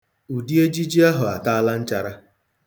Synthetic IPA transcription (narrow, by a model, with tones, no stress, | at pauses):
u˨di˦e˦d͡ʒi˦d͡ʒi˦a˦ɦʊ˨a˨ta˦la˦n̩˦t͡ʃa˨ɾa˦